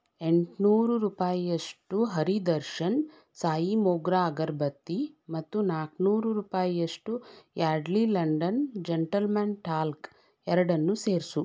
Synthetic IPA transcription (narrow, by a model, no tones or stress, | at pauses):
e̞ɳʈnuːɾuɾuːpaːjijɐʂʈuɦɐɾid̪ɐɾʃɐn | saːjimoːɡɾaːɡɐɾbɐt̪ːimɐt̪ːunaːknuːɾuɾuːpaːjijɐʂʈujaːɖlilɐɳɖɐnd͡ʒeɳʈɐlmaːnʈaːlk | ɛɾɐɽɐnːuseːɾsu